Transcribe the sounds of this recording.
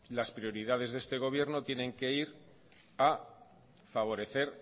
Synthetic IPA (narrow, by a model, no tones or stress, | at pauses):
laspɾio̞ɾiðað̞e̞zðe̞st̪e̞ɣ̞o̞β̞je̞ɾno̞t̪je̞nẽ̞ŋke̞iɾ | a | faβ̞o̞ɾe̞θe̞ɾ